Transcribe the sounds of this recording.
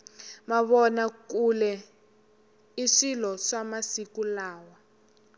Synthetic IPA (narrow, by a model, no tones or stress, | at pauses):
maβɔnakulɛ | iʂilɔʂamasikulaːwa